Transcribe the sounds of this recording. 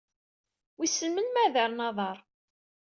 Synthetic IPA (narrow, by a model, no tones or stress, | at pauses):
wisəlmənmæðəɾˤnɑðˤɑɾˤ